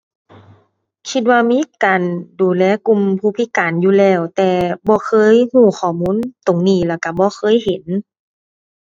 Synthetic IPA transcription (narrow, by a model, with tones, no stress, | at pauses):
kʰi˧t̪̚waː˧miː˧˥˨kaː˨˩nduː˨˩lɛː˧˥˨ku˧˨mpʰuː˧˥˩pʰiː˧˥kaː˨njuː˧˨lɛː˧˩wt̪ɛː˧bɔː˧˦kʰɤː˧˥˨jhuː˧˩xʰɔː˧˩muː˧˥˨nt̪o˨˩ŋniː˧˩laː˧˩wka˧˩bɔː˧˦xʰɤː˧˥˨jhe˨˦n